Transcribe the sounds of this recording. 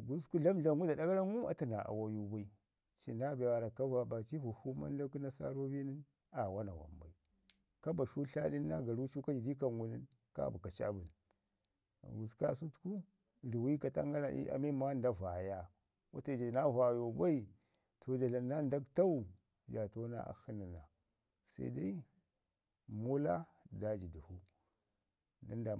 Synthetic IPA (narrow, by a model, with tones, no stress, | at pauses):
ɡu˦sku˦ɮa˦mɮa˨ŋɡu˦da˨da˦ɡa˦ɾa˦ŋu˦a̰˨ta˨na̰˨ʔa̰˨wa˨ju˦ba˦i˦ | t͡ʃḭ˨na˦ba˨wa˨ɾa˨ka˦va˨ba˨t͡ʃi˦vu˨hu˦ma̰˦n˦da˦ku˦na˦sa̰˦ɾo˦bi˦ni˦n | a˨wa˦na̰˨wa̰˨mba̰˨i˨ | ka˦ba˨ʃu˦ɬa̰˦ɗi˦nː˦a˦ɡa˨ɾu˦t͡ʃu˦ka˦d͡ʒi˨di˦ka˨ŋɡu˨ni˦n | ka̰˦˨bu˨ka˨t͡ʃa̰˦˨bu˨n˨ | ɡu˨ska˦˨su˦tku˦˨ | ɾi˨wi˦ka˨ta̰˦ŋɡa˦ɾa̰˨ʔḭ˦ʔa̰˨mi˦ma˦nda˦va˨ja˦ | wa̰˦ta˦˨d͡ʒa˨na˦va˨jo˨ba˦i˨ | tʰo˨d͡ʒa˨ɬa˨nːa˦nda˦ɡta˦u˦˨ | ja˨to˦na̰˦ʔa̰˨hi˦ni˨na˨ | sa̰˦da˦i˦ | mo˦la˦da˦d͡ʒi˨du˨hu˦ | da˦nda˨